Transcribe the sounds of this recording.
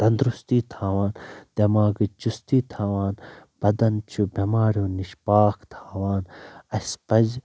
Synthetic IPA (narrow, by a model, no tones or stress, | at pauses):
t̪ɐnd̪ɾust̪iːt̪ʰaːʋaːnd̪̥ɐmaːɡɨt͡ʃust̪iːt̪ʰaːʋaːnb̥ɐd̪ɐnt͡ʃʰubɐmaːɾjoːniʃpaːkʰt̪ʰaːʋaːnɐspɐz